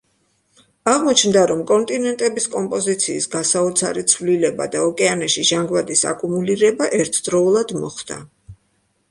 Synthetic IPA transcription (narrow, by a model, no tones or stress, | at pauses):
aʁmɔt͡ʃʰmd̪aɾɔmkʼɔnt̪ʼinɛnt̪ʼɛbiskʼɔmpʼɔzit̪sʰiːsɡasaɔt̪sʰa̰ɾit̪sʰvlilɛba̰d̪aɔkʼɛanaʃiʒaŋɡvad̪isa̰kʼumuliɾɛbaʔɛɾt̪ʰd̪ɾɔulˠad̪mɔ̰χd̪a̰